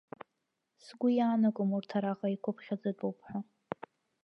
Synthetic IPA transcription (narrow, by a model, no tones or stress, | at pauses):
sɡʷʊjaːnakʷʼʊmurtʰaɾaqʼaikʷʰʊpʰχʲad͡zɨtʷʼowpʰħʷᶣa